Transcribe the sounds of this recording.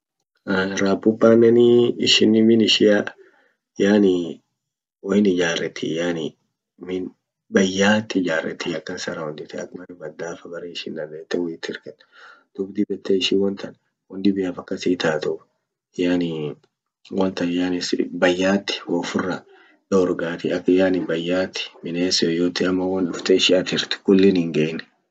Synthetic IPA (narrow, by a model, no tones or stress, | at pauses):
ɾaːpːʊpːaːnːɛnɪɪʃɪnːɪmɪnɪʃɪja | jaːnɪ | wɔjɪnɪd͡ʒaːrʔɛt̪ːɪjaːnɪ | mɪn | bɐjːaːt̪ːɪd͡ʒaːrːɛ̰t̪ːɪɐkːɐnsɐɾɐwɔnd̪ɪt̪ɪɐ̰kmɐnɛbɐd̪ːaːfɐɡɐɾeɪʃɪnd̪ɐnd̪eːt̪ːɛwɔjɪt̪ːɪɾkɐt̪ː | d̪̥ʊbd̪ɪbɛt̪ːɛɪʃɪwɔnt̪ɐn | wɔnd̪ɪbɪjaːfɐkːɐsɪt̪aːt̪of | jaːnɪ | wɐnt̪ɐnjaːnɪsbɐjːaːt̪ːɪ̥hoːfʊrːɐ | ᶑɐɔɾɡaːt̪ɪɐkːjaːnɪbɐjːaːt̪ːɪ̥mɪneːsojoːt̪ːɪɐmːɐwɐnᶑʊft̪eɪʃɪɐt̪ɪɾt̪ɪ̥kʊlːɪnɪŋɡeːnːɛ̥